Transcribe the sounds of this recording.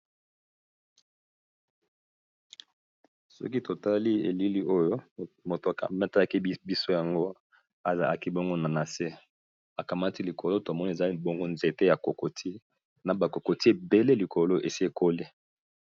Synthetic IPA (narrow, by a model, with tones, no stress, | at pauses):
sɔ̰˦ki˦to˨ta˦li˦ḛ˨li˦li˦ʔo˦jo˦mo˨to˨ka̰˨mɛ˦ta˦la˦ki˦bi˦so˦ja˨ŋɡo˦ | a˨za˨la̰˨ki˦bo˦ŋɡo˦na˨na˨se˦ | a˨ka˨ma˦ti˦li˨kʰo˨lo˦to˨mɔ˦ni˦e˨za˦bo˦ŋɡo˦nze˨te˦ja˨ko˨ko˨tʰi˦ | na˨ba˨ko˨ko˨ti˦e˨be˦le˦li˨kʰo˨lo˦ʔe˨si˦e˨kʰo˦le˦